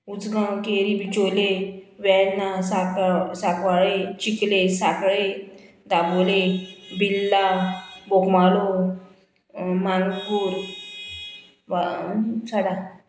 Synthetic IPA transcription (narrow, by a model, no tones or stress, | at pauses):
ud͡zɡãkeɾibit͡ɕoleʋɛnːasaksakʋaɭet͡ɕiklesakɭe | d̪abolebilːabokmalo | mãŋɡɡuːɾ | at͡sʰaɽa